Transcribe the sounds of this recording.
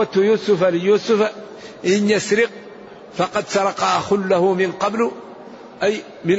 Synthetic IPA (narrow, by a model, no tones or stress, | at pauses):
at̪juːsʊfalɪjuːsʊfa | ʔɪnjasɾɪq̚ | fɑqɑd̪sɑɾˤɑqɑxʊlːahʊmɪnqɑbl | ʔaj | mɪn